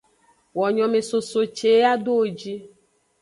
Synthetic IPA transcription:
wɔ˨ɲɔ̃˨mẽ˨so˨so˨t͡ʃe˨˦a˦ɖo˦wo˨d͡ʒi˦

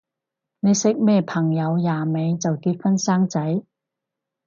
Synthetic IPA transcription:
ne˨˧jsɪ˥k̚mɛː˥˩pʰɐ˨˩ŋjɐ˨˧wjaː˨˩me˨˧jt͡sɐ˨wkiː˧t̚fɐ˥nsaː˥ŋt͡sɐ˨˥j

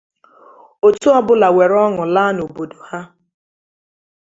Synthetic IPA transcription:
o˨tu˦ɔ˦bʊ˦la˨we˨ɾɔ˦ŋʊ˨la˦no˨bo˨do˨ha˦

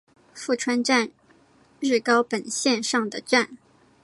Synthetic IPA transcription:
fu˥˩ʈ͡ʂʰwa˥nʈ͡ʂa˥˧n | ɻɻ̩˥˩kɑ˥ʊpə˨˩nɕjɛ˥˧nʂɑ˥˩ŋd̪ə˩ʈ͡ʂa˥˩n

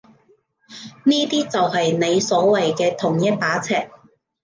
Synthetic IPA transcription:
niː˥t̪iː˥t͡sɐ˨whɐ˨jne˨˧jsɔː˨˥wɐ˨jkɛː˧t̪ʰʊ˨˩ŋjɐ˥t̚paː˨˥t͡sʰɛː˨k̚

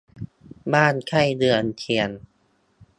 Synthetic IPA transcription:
baː˥˩˨nkʰa˥˩jdɯ˧ənkʰi˧˩ən

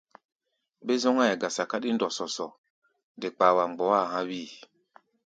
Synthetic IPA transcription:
be˦zɔ˦ŋa˦jɛ˨ɡa˨sa˨ka˦ɗi˦ndɔ˨sɔ˨sɔ˨ | de˨k͡pa˨wa˨ŋ͡mɡ͡bɔ˨˦a˦˨ɦã˦wiː˦˨

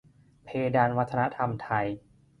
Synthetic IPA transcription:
pʰeː˧daː˧nwa˦˥t̪ʰːa˧na˦˥t̪ʰa˧mt̪ʰa˧j

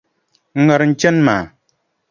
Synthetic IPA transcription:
ŋ̩˦ŋə˨ɾn̩˦t͡ʃɛ˦nmaː˨

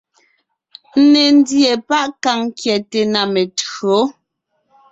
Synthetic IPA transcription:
n̩˦ne˨n˦dje˨pa˦ʔka˦˨ŋ˦kjɛ˨te˨na˨me˨to˨˦

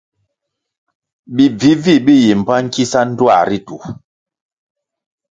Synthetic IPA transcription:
ɓi˨b͡vi˨˦vi˦˨ɓi˦ji˨m̩˨pa˦ŋ˦ki˦sa˦n̩˦dwa̰˨ɾi˦tu˨

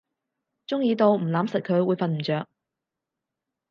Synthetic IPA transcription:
t͡sʊ˥ŋjiː˧t̪o˨˧wm̩˨˩laː˨˥msɐ˨t̚kʰɵ˨˧˥ɥwuː˨˧˥jfɐ˨˧nm̩˨˩t͡ʃœː˨k̚

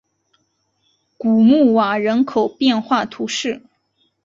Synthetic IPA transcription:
ku˨˩mu˥˩wa˨˩ɻə˧˥nkʰo˨˩ʊpjɛ˥˧nxwa˥˩t̪ʰu˧˥ʂɻ̩˥˩

